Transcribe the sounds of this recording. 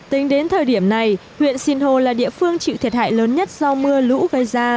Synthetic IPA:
t̪ï˨˦ŋ̟ɗe˨˦nt̪ʰəː˨˩jɗi˧˩əmna˨˩jhwḭ˧˨ənsi˧nho˨˩laː˨˩ɗḭ˧˨əfɨ˧əŋt͡ɕḭ˧˨t̪ʰjət̚ha̰ː˧˨jləː˨˦nɲə˦˥t̚z̥ɔ˧mɨ˧əlṵ˧˥ɣə˧jzaː˧

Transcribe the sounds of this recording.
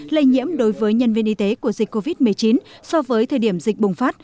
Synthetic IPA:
lə˧jɲḭ˧˥əmɗo˨˦jvəː˨˦jɲə˧nvi˧ənʔi˧t̪e˨˦ku˧˩əzi˨˩k̟̚kːo˧vi˦˥t̚mɨ˨˩əjt͡ɕi˨˦nsɔ˧vəː˨˦jt̪ʰəː˨˩ɗi˧˩əmzï˨˩k̟̚ɓʊ˨˩ŋ͡mfaː˦˥t̚

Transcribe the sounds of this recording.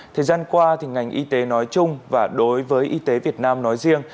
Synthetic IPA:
t̪ʰəː˨˩jzaː˧nkwaː˧t̪ʰi˨˩ŋa˨˩jŋ̟ʔi˧t̪e˨˦nɔ˨˦jt͡ɕʊ˧ŋ͡mvaː˨˩ɗo˨˦jvəː˨˦jʔi˧t̪e˨˦vi˨˩ət̚naː˧mnɔ˨˦jzi˧əŋ

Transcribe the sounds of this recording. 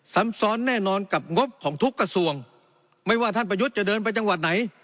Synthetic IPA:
sa˩˦msɔː˨˦˥nːɛː˥˩nɔː˧nka˨˩p̚ŋo˦˥p̚kʰɔː˩˦ŋt̪ʰu˦˥kːa˧su˧˩əŋ | ma˥˩jwaː˥˩t̪ʰa˥˩np̬ɾa˧ju˦˥t̪̚t͡ɕa˨˩dɤː˧np̬a˧jt͡ɕa˧ŋwa˨˩t̪̚na˩˦j

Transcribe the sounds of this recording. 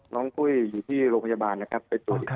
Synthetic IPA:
nɔː˦˥ŋkʰu˥˩jːuː˨˩t̪ʰiː˥˩ɾoː˧ŋpʰa˧˩aː˧baː˧nːa˦˥kʰa˦˥pːe˧nt̪u˨˩ə˩

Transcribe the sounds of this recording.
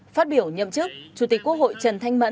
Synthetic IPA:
faː˦˥t̚ɓi˧˩əwɲə̰˧˨mt͡ɕɨ˦˥k̚t͡ɕu˨˩t̪i˨˩kːu˦˥ək̚ho̰˧˨jt͡ɕə˨˩nt̪ʰa˧ŋmə̰˧˥

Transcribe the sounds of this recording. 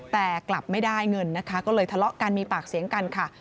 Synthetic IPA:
t̪ɛː˨˩kla˨˩p̚ma˥˩jdaː˥˩jŋɤ˧nːa˦˥kʰa˦˥kɔː˥˩lɤː˧jt̪ʰa˧lɔ˦˥ʔkaː˧nmiː˧paː˨˩k̚si˨˩˦əŋka˧nkʰa˥˩

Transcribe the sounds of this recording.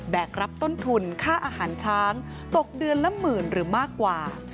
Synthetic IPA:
bɛː˨˩k̚ɾa˦˥p̚t̪o˥˩nt̪ʰu˧nkʰaː˥˩ʔaː˧haː˩˦nt͡ɕʰaː˦˥ŋ | t̪o˨˩k̚dɯ˧ənːa˦˥mːɯː˨˩nɾɯː˩˦maː˥˩kːwaː˨˩

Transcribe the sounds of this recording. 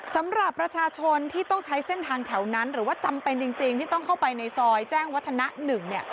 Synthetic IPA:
sa˩˦mɾa˨˩pːɾa˧t͡ɕʰaː˧t͡ɕʰo˧nt̪ʰiː˥˩t̪ɔ˥˩ŋt͡ɕʰa˦˥jse˥˩nt̪ʰaː˧ŋt̪ʰɛ˩˦wna˦˥nɾɯː˩˦waː˥˩t͡ɕa˧mpe˧nt͡ɕi˧ŋt͡ɕi˧ŋt̪ʰiː˥˩ɔ˥˩ŋkʰa˥˩wpa˧jna˧jsɔː˧jt͡ɕɛː˥˩ŋwt̪ʰːa˧na˦˥nɯ˨˩ŋni˥˩ɐ

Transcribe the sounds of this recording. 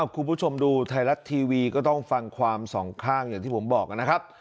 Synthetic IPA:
ʔa˧˩kʰu˧npʰuː˥˩t͡ɕʰo˧mduː˧t̪ʰa˧jla˦˥t̪ʰːiː˧wiː˧kɔː˥˩t̪ɔ˥˩ŋfa˧ŋkʰwaː˧msɔː˩˦ŋkʰaː˥˩ŋjaː˨˩ŋt̪ʰiː˥˩po˩˦mbɔː˨˩k̚ka˧na˥kʰa˦˥p̚

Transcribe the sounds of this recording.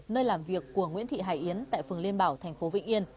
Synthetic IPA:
nəː˧jlaː˨˩mvi˨˩əkːu˧˩əŋwḭ˧˥ənt̪ʰḭ˧˨ɦaː˧˩jʔi˨˦ənt̪a̰ː˧˨jfɨ˨˩əŋli˧ənɓaː˧˩wt̪ʰɛ˨˩jŋ̟fo˨˦vḭ˧˥ŋ̟ʔi˧ən

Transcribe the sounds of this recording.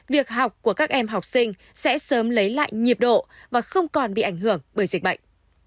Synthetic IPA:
vi˨˩ək̚ɦa˨˩wk͡p̚ku˧˩əkaː˦˥k̚ʔɛ˧mɦa˨˩wk͡p̚sï˧ŋ̟ | sɛ̰˧˥səː˨˦mlə˨˦jla̰ː˧˨jɲi˨˩əp̚ɗo̰˧˨vaː˨˩xə˧wŋ͡mkɔ˨˩nɓḭ˧˨ʔa˧˩jŋ̟ɦɨ˧˩əŋɓəː˧˩jzi̟˨˩ɓə̰˧˨jŋ̟

